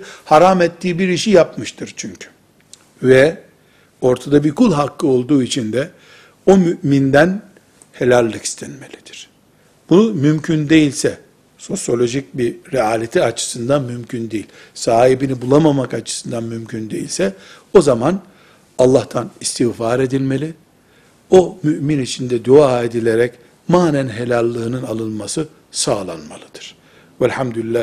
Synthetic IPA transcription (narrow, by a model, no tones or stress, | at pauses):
haɾamɛt̪ːiːbiɾiʃijapmɯʃt̪ʰɯɾt͡ʃʰyɲcʰy̥ | vɛ | o̞ɾt̪ʰad̪abikulʲˠɦakːɯo̞lˠd̪uːit͡ʃʰind̪ɛ | o̞myʔmind̪æn | helʲælʲːˠɯki̥st̪ʰɛnme̞lʲid̪̥i̥ɾ̥ | b̥unumymcʰynd̪e̞jilʲsɛ | so̞sjo̞lʲo̞ʒic̚biɾɛaːlʲet̪ʰiat͡ʃʰɯ̥sɯnd̪anmymcʰynd̪ejilʲ | saːɦibinibulˠamamakat͡ʃʰɯ̥sɯnd̪anmymcʰynd̪e̞jḭlʲsɛ | o̞zaman | alˠːaht̪ʰanist̪ʰiɣfaɾe̞d̪ilʲme̞lʲi | o̞myʔminit͡ʃʰind̪ɛd̪uae̞d̪ilʲe̞ɾɛc | maːnænɦelʲalʲˠːɯːnɯnalˠɯnˠmasɯ | saːlˠa̰nmalˠɯd̪̥ɯ̥ɾ̥ | vælʲhamd̪ylʲilʲːæ